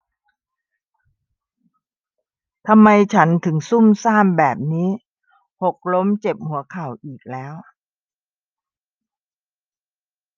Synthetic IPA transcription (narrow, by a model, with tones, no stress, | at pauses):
t̪ʰa˧mːa˧jt͡ɕʰa˦˥nt̪ʰɯ˩˦ŋsu˥˩msaː˥˩mbɛː˨˩p̚niː˦˥ | ho˨˩k̚lo˦˥mt͡ɕe˨˩p̚hu˩˦ɐkʰa˨˩wʔiː˨˩k̚lɛː˦˥w